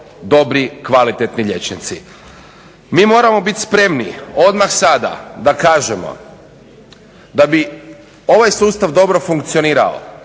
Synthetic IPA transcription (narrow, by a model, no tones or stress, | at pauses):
d̪o̞bɾikʋalit̪et̪niʎe̞t͡ʃnit̪sḭ | miːmo̞ːɾamo̞bit̪ʲspɾe̞mnio̞d̪maxsad̪a̰d̪akaːʒemo̰ | d̪abi | o̞ʋajsuːst̪aʋd̪o̞bɾo̞fuŋkt̪sio̞niːɾa̰o̰